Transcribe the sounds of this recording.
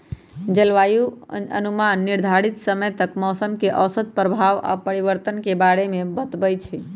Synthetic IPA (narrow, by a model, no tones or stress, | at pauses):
d͡ʒəlʋajuə̰numanːiɾd̪ʱaɽit̪səməjt̪əkmɔsəmkeʔəwsət̪̚pɾəbʱaʋa̰pəɾiʋəɾt̪ənkebaɽemebət̪bəjt͡ʃʰɛ